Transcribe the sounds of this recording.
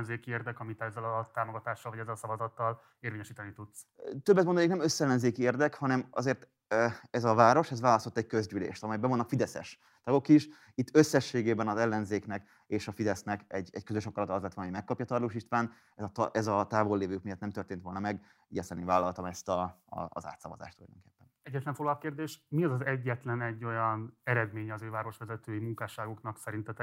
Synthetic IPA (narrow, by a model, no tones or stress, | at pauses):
nzeːkieːrd̪ɛkɒmit̪ɛzːɛlɒt̪aːmoɡɒt̪aːʃːɒlvɒɟɛzːɛlsɒvɒzɒt̪ːɒl | eːrɾveːɲɛʃiːt̪ɛnit̪ut̪s | t̪øbːɛt̪mond̪oneknɛmøsːɛlːɛnzeːkieːrd̪ɛkhɒnɛmɒ̰zeːrt̪ː | ɛzɒvaːɾo̞ʃɛzvaːlɒst̪ot̪ːɛɟ̚kø̞zɟylḛːʃt̪ɒmɛjbɛonːɒkfid̪ɛsɛ̰ʃ | t̪ɒɡo̞kiʃ | it̪ːø̞sːɛʃːeːɡeːbɛnɒzɛlːɛnzeːknɛk | eːʃɒfid̪ɛsnɛkɛɟɛckøzøʃɒkɒɾɒt̪ɒzlɛt̪ɒnɦoɟmɛkːɒpjɒt̪ɒrloːʃiʃt̪ʋaːn | ɛzt̪ʔɛzɒt̪aːvolːeːvøːk̚mijɒt̪nɛmt̪ørt̪eːnt̪ʋo̞lnɒmɛɡ | iɟɛsɛnevaːlːɒlt̪ɒmɛst̪ɒ̰ː | za̰ːt̪sɒvɒ̰za̰ːʃt̪ulɒjdo̰ŋke̥ːpːɛnɛɟːɛt̪lɛɱfoɡllɒp̚keːrd̪eːʃmiɛzɒzɛɟːɛt̪lɛnɛɟːo̞jɒnɛɾɛd̪meːɲɛːzøːvaːɾo̞ʃʋɛzɛt̪øːjimuŋkaːʃaːɡo̞knɒksɛɾint̪ɛt̪ɛ